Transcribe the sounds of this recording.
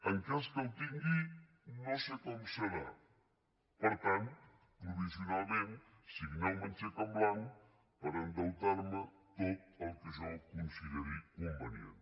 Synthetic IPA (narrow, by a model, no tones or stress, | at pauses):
əŋkest̪əwt̪iŋɡi | nosekɔmseɾa | pəɾt̪ant̪ | pɾufisjonalmen | siɡnalmənt͡ʃekamblaŋ | pəɾənd̪əwt̪aɾmət̪ot̪̚əlˠkizɔwkunsileɾikombanḭa̰n